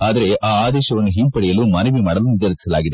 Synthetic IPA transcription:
aːd̪ɐɾe̞ʔaːaːd̪ɛːʃɐʋɐnːuɦimpɐɽɛjɐlumɐnɐʋimaːɽɐlunid̪ɐlɐsi̥sɐlaːɡid̪e

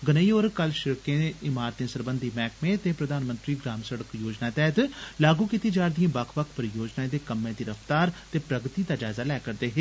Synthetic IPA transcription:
ɡənəiːoːɾkəlʃɪɾkẽːɪmaːɾt̪ĩsəɾbənd̪ʱiːmɛːkmẽt̪eːpɾəd̪aːnmə̃nt̪ɾiːɡɾaːmsəɽəkjoːd͡ʒnaːt̪ɛːɦt̪laːɡuːkiːt̪iːd͡ʒaːɾd̪ijãːbəkʰʋəkʰpəɾjoːd͡ʒnaẽd̪eːkəmːẽːd̪iːɾəft̪aːɾt̪eːpɾəɡt̪iːd̪aːd͡ʒaːzaːlɛːkəɾd̪eːɦeː

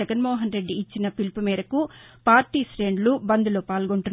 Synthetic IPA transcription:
ɐɡɐnmɔːɦɐnɾe̞ɖːiːt͡ʃːinɐpilpumiːɾɐkupaːɾʈiːsɾeːɳɖlubɐnd̪uloːpaːlɡoɳʈunː

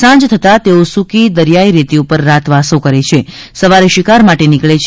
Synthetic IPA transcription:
sãd͡ʒt̪ʰət̪at̪eosukid̪əɾjaiɾit̪iupəɾːat̪ʋasokəɾet͡ʃʰe | səʋaɾeʃɪkaɾmaʈenikɭet͡ʃʰ

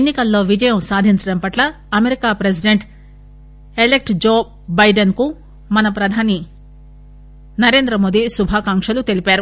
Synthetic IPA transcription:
enːikɐlːo̞ːʋid͡ʒɐjɐmsaːd̪ʱiɲt͡ʃɐɽɐmpɐʈlɐ | ɐmeɾikaːpɾes̬iɖeɳʈ | elek̚ʈd͡ʒoː | bɐjɖɐnku | mɐnɐpɾɐd̪ʱaːni | nɐɾe̞ːnd̪ɾɐmo̞ːd̪isubʱaːkaːŋkʂɐlut̪e̞lipaːɾu

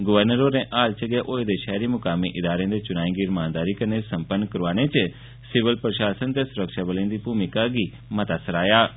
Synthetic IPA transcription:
ɡʊʋəɾnəɾoɾẽʔaːlt͡ʃəɡeʔoːed̪eʃɛːɾimʊkaːmiʔɪd̪aːɾẽd̪et͡ʃʊñaːĩɡiːɾmãːnd̪aːɾikɐɾnesɐ̃mpənːkɐɾʋaːɽ̃et͡ʃə | sɪʋəlpɾəʃaːsənt̪esʊɾəkʃabəlẽnd̪ibuːmɪkaɡi | mɐt̪aːsəɾaːjaː

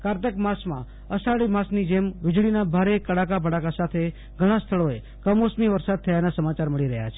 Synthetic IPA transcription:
kaɾt̪əkmasmã̰ | əsaɭimasnid͡ʒemʋɪd͡ʒɭinabʱaɾekəɽakapəɽakasat̪ʰe | ɡʱəɽ̃ast̪ʰəɭoe | kəmosmiʋəɾsad̪̚t̪ʰəjanasəmat͡ʃaɾməɭiɾəɦja̰t͡ʃʰe

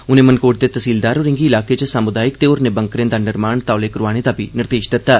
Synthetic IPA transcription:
ʊnẽːmənkoːʈ̚d̪et̪əsiːld̪aːɾoɾɪ̃ŋɡiːlaːket͡ʃəsaːmʊd̪aːjɪkt̪eoɾnebəŋkɾẽːd̪aːnɪɾmaːɳt̪aːʊleːkɾʊaːɽ̃ed̪aːbinɪɾd̪eːʃd̪ɪt̪ːaː

